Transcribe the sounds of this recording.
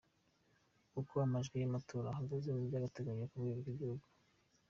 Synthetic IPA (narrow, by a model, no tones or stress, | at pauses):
kukoamaʒɡejamatʰoːɾaɦaɡazeβuɟaɡateɡaɲekubɡeːβobɡibɟihuɡu